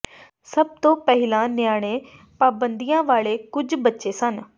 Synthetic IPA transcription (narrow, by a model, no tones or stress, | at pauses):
səb̚t̪õːpɛɦɪlãːnɪjaːɽ̃ẽː | paːbə̃nd̪iːãːʋaːɭeːkʊd͡ʒbətːʃeːsən